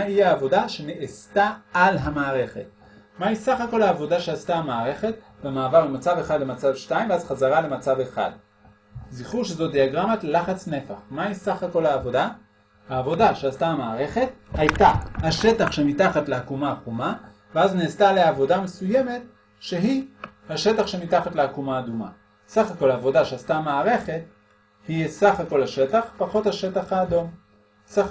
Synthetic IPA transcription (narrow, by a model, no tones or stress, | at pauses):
maɦiaːvo̞daʃe̞neʔestaalɦamaːʁe̞χe̞̰t | maisaχako̞laːvo̞daʃeastaamaːʁe̞χe̞t | bemaːvaʁlemat͡save̞χadlemat͡savʃtaimveazχazaʁale̞mat͡saveχa̰d | ziχuʃezo̞d̪iaɡʁamatlelaχat͡sne̞faχmaisaχako̞lhaːvo̞da | haːvo̞daʃeast̪aamaːʁe̞χe̞thajtahaʃe̞taχʃe̞mitaχatleakumaχuma | veazneːstaleavo̞dame̞sujeme̞t̪ | ʃe̞ɦihaʃe̞taχʃe̞mitaχat̪leakumaːduma̰ | saχako̞lhaːvo̞daʃeast̪amaːʁe̞χe̞t̚ | hisaχako̞lhaʃe̞taχpaχo̞thaʃe̞taχhaːdo̞m | sa